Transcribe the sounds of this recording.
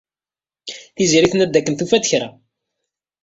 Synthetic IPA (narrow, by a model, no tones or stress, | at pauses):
θiziɾiθənæd̪ːækːənθufæd̪çɾæ